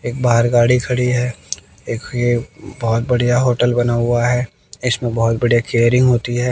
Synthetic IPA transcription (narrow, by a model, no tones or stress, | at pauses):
eːk̚baːɾɡaːɽikʰɐɽiɦɛː | eːkjebɔɦʊt̪̚bɐɽ̤ijaɦoːʈəlbɐnaːɦʊaɦɛː | ɪsmẽbɐɦʊt̪̚bɐɽ̤ijakeːɾɪ̃ŋɡɦoːt̪iɦɛː